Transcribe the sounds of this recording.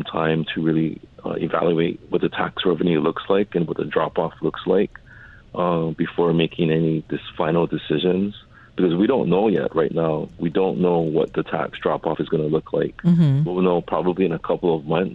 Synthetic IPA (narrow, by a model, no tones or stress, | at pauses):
mtʰã̰ɪ̃mtʰɨɹɪlˠiʌ̰ɨ̰væ̰lˠjʉeɪt̚wʌt̪̚ðɨtʰæ̰ksɹɛvɨnjʉlʊkslaɪkɨ̃nwʌt̪̚ðɨdɹɑpɔflʊkslaɪk | ʔʌb̥ɨfɔɹmeɪkʰɪ̃ŋɛnidɨsfãɪ̃nl̩ˠdɨsɪʒɨ̃nz̥ | b̥ɨkʌzwiɾõʊ̃nːoʊjɛ̰ʔ̚ɹʔaɪtⁿnaʊwidõʊ̃nːoʊwʌ̰t̪̚ðɨtʰæ̰ksdɹ̥ɑpɔfɨzɡʌnəlʊkʰlaɪk̚wiwl̩ˠnoʊpʰɹ̥ɑbəbliɨ̃nəkʰʌpl̩ˠʌvmʌ̃nθ